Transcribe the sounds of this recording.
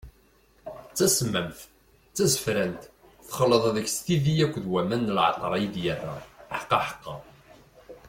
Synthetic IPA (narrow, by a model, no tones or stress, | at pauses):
t͡sːæsmːæmθ | t͡sːæzəfɾænt̪ | θχəlːəðˤðəçst̪iðijækʷːðwæmænːəlʕɑ̰t̪ˤɾˤɑjid̪jæðæ̰ħə̥qːɑħə̥qːɑ̰